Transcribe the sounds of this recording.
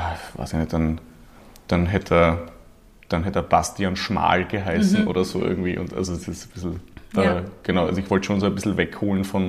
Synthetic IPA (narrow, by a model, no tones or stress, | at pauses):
va̰ːsɪçnɛt̚d̥an | d̥anɦɛtʰɐ | d̥anɦɛtɐb̥astianʃma̰ːlɡ̥əɦaɪsn̩ʔo̰ːɾɐzoːʔɪ̰ɐɡŋ̩tv̥ḭːʔʊ̰ntʔa̰lzodɛsɪsb̥ɪsl̩ɛːɡ̥ənaʊʔazoɪçvɔltʃoːnsoːɛbɪsl̩vɛkhoːlnfɔn